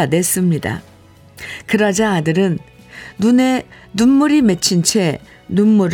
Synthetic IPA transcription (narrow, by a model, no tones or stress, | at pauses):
ane̞s͈ɯmɲida̰ | kɯɾʌd͡ʑaadɯɾɯnː | une̞nunːuɾime̞t͡ɕʰint͡ɕʰe̞ | nunmuɾ